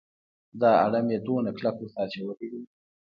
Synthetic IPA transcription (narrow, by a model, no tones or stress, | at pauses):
d̪ɑa̰ɽamjed̪onaklakosɑɾt͡ʃawəlid̪i